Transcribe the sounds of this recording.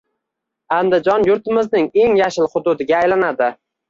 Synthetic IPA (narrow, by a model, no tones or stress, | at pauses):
and̪ɪd͡ʒɒnjʊɾt̪ɪmɪznɪŋe̞ŋjaʃɪlˠχʊd̪ʊd̪ɪɡʲaːjlanad̪ɪ